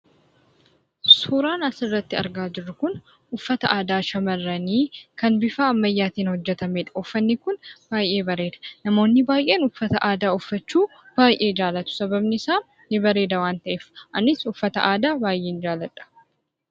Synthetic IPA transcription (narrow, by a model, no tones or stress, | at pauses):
suːɾaːnɐsɪrːɐt̪ːɪɐ̰ɾɡaːd͡ʒɪrːʊkʊn | ʊfːɐt̪ɐʔaːd̪aːʃɐmɐrːɐniːkɐnbɪfaːɐmːɐjːaːt̪iːnhɔd͡ʒːɛt̪ɐmeːᶑɐ̥ʊfːɐnːɪkʊnb̥aːjʔe̞ːbɐɾe̞ːd̪ɐ̥nɐmo̞ːnːɪbaːjʔe̞ːnʊfːɐt̪ɐʔaːd̪aːʊfːɐt͡ʃːuː | b̥aːjʔe̞ːd͡ʒaːlɐt̪ʊ̥sɐbɐbnɪsaː | nɪbɐɾe̞ːd̪ɐwaːnt̪ɐʔeːfʔɐnɪsʊfːɐt̪ɐ̰ʔaːd̪aːbaːjʔeːnd͡ʒaːlɐᶑɐ̥